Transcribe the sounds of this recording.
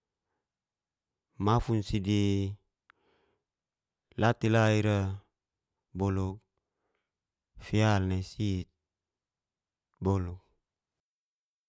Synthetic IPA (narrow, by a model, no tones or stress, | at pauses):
mafunsidi | lat̪ilaiɾa | boluk̚ | fialnesit̪̚ | boluk̚